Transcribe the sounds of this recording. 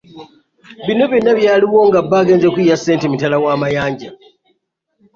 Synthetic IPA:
βino̞βinaβjaːliwo̞ŋɡabːaːɡe̞ːnzekujase̞ːntemitalawaːmajaːɲɟa

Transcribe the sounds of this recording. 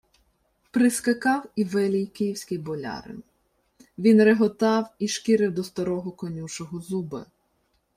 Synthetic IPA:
pɾɪskɐkɑwiʋɪlʲˠijkɪjiwsʲkɪjbɔlʲɑ̰ɾɪ̰n | ʋʲinɾeɦɔt̪ɑwiʃkɪɾɪwd̪ɔst̪ɐɾɔɦɔkɔnʲuʃɔɦɔzubɐ̰

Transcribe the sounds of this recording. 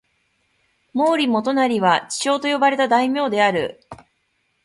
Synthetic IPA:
mo̞ːɾʲimo̞t̪o̞naɾʲiβat͡ɕi̥t͡ɕo̞ːt̪o̞jo̞baɾe̞t̪ad̪aimʲo̞ːd̪e̞aɾɯ̟̰

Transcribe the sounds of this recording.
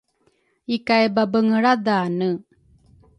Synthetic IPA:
ikajbabəŋəɭad̪aːnɯ

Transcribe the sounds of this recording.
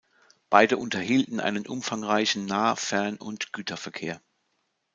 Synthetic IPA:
b̥aɪdəʔʊntɐhiːltn̩ʔa̰ɪnənʔʊmfaŋʁaɪçn̩ːaːfɛɐnʊ̰ntɡ̥yːtʰɐfɛɐkʰeːɐ

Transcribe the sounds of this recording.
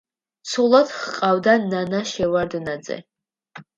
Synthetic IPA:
t͡sʰulˠat̪χqʼawd̪ananaʃɛward̪nad͡zɛ̰

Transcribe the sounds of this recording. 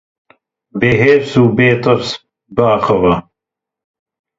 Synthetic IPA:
beːɦeːɾsuːbeːt̪ɐɾs | baːxɐwɐ

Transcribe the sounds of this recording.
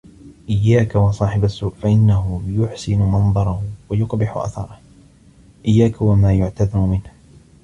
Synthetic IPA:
ʔɪjːaːkawɑsˤɑːħɪbasʊːʔfaʔɪnːaɦʊjʊħsɪnʊmɑnd̪ˤɑɾˤɑhwajʊqbɪħʊ̰ʔa̰θɑ̰ɾˤɑh | ʔɪjːaːkawamaːjʊʕt̪aðɑɾʊmɪnh

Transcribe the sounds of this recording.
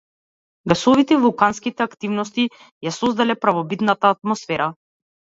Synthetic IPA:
ɡasɔvit̪ɛivulˠkanskit̪ɛakt̪ivnɔst̪i | jasɔzd̪alɛpɾavɔbit̪nat̪aːt̪mɔsfɛɾa

